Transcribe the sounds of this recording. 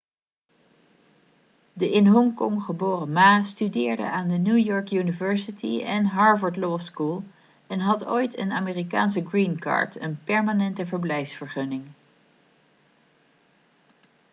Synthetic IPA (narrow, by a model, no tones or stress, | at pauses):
dəʔɪnɦɔŋkɔŋχəboːrəmaːstydɪːɹdə̰aːndənuːjɔɹkjynivɛɹsitʰḭɛnɦɑɹvəɹdlɔskulˠ | ɛnɦɑto̰jtə̰naːmeːrika̰ːnsəɡrinkɑ̰ɹtə̰npɛɹmaːnɛntəvəɹblɛjfsfəɹχɵnɪŋ